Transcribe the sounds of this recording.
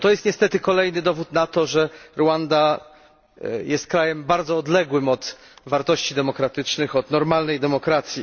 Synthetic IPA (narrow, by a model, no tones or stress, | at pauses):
t̪ɔjɛst̪ɲɛst̪ɛt̪ɘkɔlɛjnɘd̪ɔvut̪nat̪ɔʐɛɾwand̪a | jɛst̪̚kɾajɛmbaɾd̪zɔːd̪lɛɡwɘmɔt̪ | vaɾt̪ɔɕt͡ɕid̪ɛmɔkɾat̪ɘt͡ʂnɘxɔd̪nɔɾmalnɛjd̪ɛmɔkɾat̪sʲji